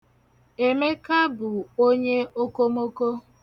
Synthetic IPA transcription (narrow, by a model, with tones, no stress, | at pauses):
e˨me˦ka˦bʊ˨o˦ɲe˦o˦ko˦mo˦ko˦